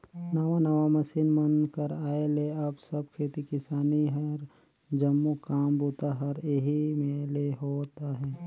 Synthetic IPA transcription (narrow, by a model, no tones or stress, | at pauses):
nɐʋanɐʋamɐsiːnmɐnkəɾaːeleɐbsɐb̚kʰeːt̪ikɪsaːniɦɐɾ | d͡ʒɐmːukaːmbuːt̪aɦɐɾeɦimẽleɦoːt̪aɦɛː